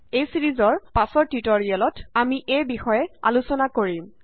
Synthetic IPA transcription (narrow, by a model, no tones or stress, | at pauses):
ejsiɹizɔɹpasɔɹtitoɹialɔtamiʔejbixɔjɛa̰lusɔnakoɹim